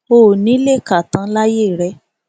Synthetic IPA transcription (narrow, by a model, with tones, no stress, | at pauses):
o˦˨nĩ˨˦le˦˨ka˨tã˨˧˦la˦jeː˦˨ɾɛ˧˦